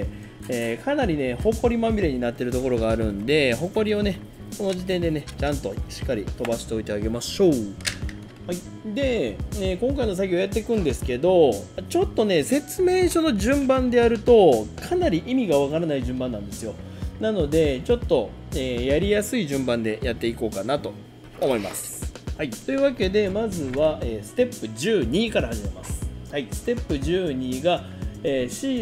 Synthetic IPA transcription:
eːkʰanaɾʲine̞ho̞ko̞ɾʲimamʲiɾe̞ɲ̟inat̪ːe̞ɾɯ̟t̪o̞ko̞ɾo̞ɡaːɾɯ̟nd̪e̞ɦo̞ko̞ɾʲio̞ne̞ | ko̞no̞ʑit̪ẽ̞nd̪e̞ne̞t͡ɕãnt̪o̞ɕi̥kːaɾʲit̪o̞baɕi̥t̪e̞o̞it̪e̞aɡe̞maɕo̞ː | hai | d̪e̞nekõ̞ŋkaino̞s̬akʲːojat̪ːe̞kɯ̟̃nd̪e̞sɨ̥ke̞d̪o̞t͡ɕo̞t̪ːo̞ne̞se̞t͡sɨme̞ːɕono̞ʑɨ̃mbãnd̪e̞aɾɯ̟t̪o̞kʰanaɾʲiʔimʲiɡaβ̞akaɾanaiʑɨ̃mbãnːãnd̪e̞sɨjo̞ | nano̞d̪e̞t͡ɕo̞t̪ːo̞ | eːjaɾʲijasɨiʑɨ̃mbãnd̪e̞jat̪ːe̞iko̞ːkanat̪o̞ː | mo̞ima̰sɨ̥hait̪o̞jɯ̟βake̞d̪e̞mazɨβaʔeːsɨ̥t̪e̞pːɯ̟d͡ʑɨːɲ̟iːkaɾahaʑime̞ma̰sɨ̥haisɨ̥t̪e̞pːɯ̟ʑɨːɲ̟iːɡa | eːɕiː

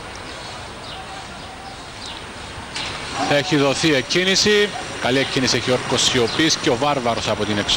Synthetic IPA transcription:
θɐe̞çiðo̞θiecʰːinisikɐlie̞cʰːinisieçio̞ɾko̞sio̞pisceo̞vɐɾvɐɾo̞sɐpo̞t̪ineks

